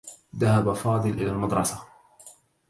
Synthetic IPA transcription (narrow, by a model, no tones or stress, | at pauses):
ðahabafɑːd̪ˤɨlʔɪlaːlmɑd̪ɾˤɑsa